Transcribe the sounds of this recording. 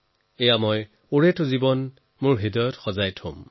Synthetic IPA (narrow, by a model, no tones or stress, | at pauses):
ejamɔj | uɹetʊzibɔn | mʊɹɦidɔjɔtxɔzajtʰʊ̃m